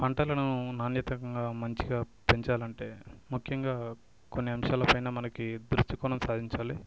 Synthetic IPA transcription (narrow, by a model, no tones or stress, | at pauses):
pɐɳʈɐlɐnunaːnjɐt̪ɐkɐŋɡaːmɐɲt͡ʃiɡaː | pe̞ɲt͡ʃaːlɐɳʈe̞ːmukʰːjɐŋɡaː | konːiɐmʂaːlɐpɐjnɐːmɐnɐkid̪ɾusʈikɔːnɐmsaːd̪ʱiɲt͡ʃaːli